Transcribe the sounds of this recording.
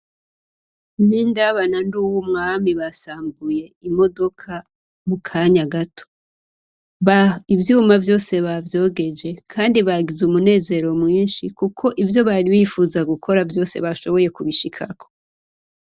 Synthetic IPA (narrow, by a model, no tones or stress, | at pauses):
nindaβananduwumŋaːmiβasaːmɡuje̞imo̞do̞kʰa | mukʰaɲaɡatʰo̥ | aivjuːmavjo̞ːse̞βavjo̞ːɡe̞d͡ʒe̞kʰaːndiβaɡizumune̞ːze̞ɾo̞mŋiːnʃikukʰo̞ʔivjo̞βaɾiβifuːzaɡukʰo̞ɾavjo̞ːse̞βaʃo̞βo̞je̞kuβiʃikʰakʰo̞̥